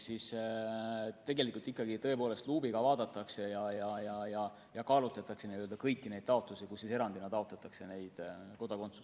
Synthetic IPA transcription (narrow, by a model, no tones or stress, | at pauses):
sis | t̪e̞ɡe̞likːˑult̪ikːˑɑɡit̪ɤ̞epoːle̞st̪luːbiɡ̥ɑvɑːd̪ɑt̪ːˑɑkse̞jɑjɑjɑjɑ | jɑkɑːlut̪lɑt̪ːˑɑkseniøld̪ɑkɤjkːinejd̪̥̚t̪ɑo̞t̪lusikusːise̞ɾɑnd̪inɑt̪ɑo̞t̪lɑt̪ːˑɑkse̞ne̞jd̪̥ko̞d̪̥ɑko̞nt̪su̥s